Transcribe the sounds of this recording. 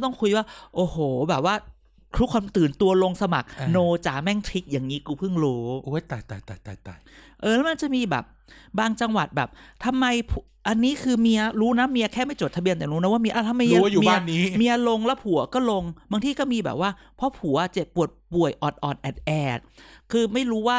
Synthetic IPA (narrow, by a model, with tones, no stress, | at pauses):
t̪ɔ˥˩ŋkʰu˧jwaː˥˩ʔoː˨˩hoː˨˩bɛː˨˩p̚waː˥˩ | k̪ʰɾu˦˥kʰwaː˧mt̪ɯː˨˩nt̪u˧ɐlo˧ŋsa˧ma˨˩k̚noː˧t͡ɕaː˩˦mɛ˥˩ŋt̪ʰi˦˥k̚jaː˨˩ŋniː˦˥kuː˧pʰɯ˥˩ŋɾuː˦˥ʔu˦˥jt̪a˨˩jt̪aː˨˩jt̪a˨˩t̪a˨˩t̪a˨˩ʔɤː˧lɛ˦˥ma˧nt͡ɕa˨˩miː˧bɛ̰ː˨˩p̚ | baː˧ŋt͡ɕa˧ŋwa̰˨˩t̪̚bɛ̰ː˨˩p̚t̪ʰa˧mːa˧jpʰu | ʔa˧nːiː˦˥kʰɯː˧mi˧ɐɾuː˦˥na˦˥mi˧əkʰɛː˥˩ma˥˩jt͡ɕoː˨˩t̪ʰa˧bi˧ənt̪ɛː˨˩ɾuː˦˥n˦˥waː˥˩mi˧əʔa˧˩t̪ʰa˧mːa˧jjuː˨mi˧a˧˥˩nːiː˦˥mi˧ɐ˧lo˧ŋlɛ˦˥wpʰu˨˩˦ɐkɔː˥˩lo˧ŋbaː˧ŋt̪iː˧˩kɔː˥˩miː˧bɛ̰˨˩p̚waː˥˩ | pʰɔ˦˥pʰu˨˩˦ɐ˧˩t͡ɕe˨˩ppːu˨˩ət̪̚pu˨˩əjʔɔː˨˩t̪̚ʔɔː˨˩t̪̚ʔɛː˨˩t̪̚ʔɛː˨˩t̪̚kʰɯː˧ma˥˩jɾuː˦˥waː˥˩